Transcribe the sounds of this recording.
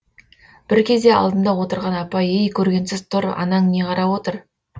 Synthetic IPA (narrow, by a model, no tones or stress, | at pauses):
b̥ɪɾkʲʰe̞zd̪e̞ɑ̰lˠd̪ənd̪ɑwo̞t̪əɾʁɑnɑpɑjejkʲʰɵɾɡʲe̞nsɪzt̪ʰʊɾɑ̰nɑŋne̞qʰɑɾɑwo̞t̪əɾ